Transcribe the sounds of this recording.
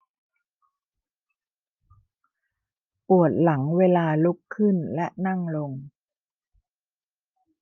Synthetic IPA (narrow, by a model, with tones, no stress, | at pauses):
pu˨˩ət̪̚la˩˦ŋweː˧laː˧lu˦˥kʰːɯ˥˩nlɛ˦˥ʔna˥˩ŋlo˧ŋ